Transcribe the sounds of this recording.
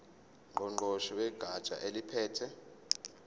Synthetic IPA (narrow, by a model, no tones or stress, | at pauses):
ŋʱɔŋ͡ǃɔʃɔwɛɡ̥ʱḁt͡ʃʼa̰ʔelipʰɛːtʰɛ